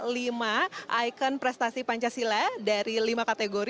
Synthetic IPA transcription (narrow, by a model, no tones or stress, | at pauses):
limaʔajkənpɾɛst̪asipaɲt͡ʃasiladaɾilimakat̪ɛɡoɾ